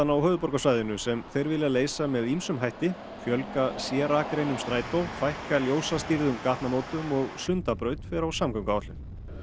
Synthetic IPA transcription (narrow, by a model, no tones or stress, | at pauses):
anaawhœːðʏpɔɾkasvaːjðɪnʏsɛmθejɾvɪlɪaleːjsamɛðimsʏmɦajht̪ɪ | fjœlkasjɛːɾakɾejnʏmst̪ɾaːjt̪owfajhkaljoːwsast̪iɾðʏmkaht̪namoːwt̪ʏmɔɣsʏnt̪apɾœːɥt̪fɛɾawsaːmkawŋkaɔt̪lɪn